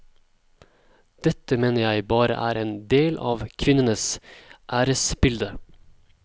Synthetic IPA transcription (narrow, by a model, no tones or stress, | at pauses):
d̪̥ɛt̪əmeːnəɾjæɪbɑːɾə̰ʔæːɾʔeːnd̪eːlʔɑ̰ːʋkʰʋɪnənəsʔæːɾəsbɪld̪ə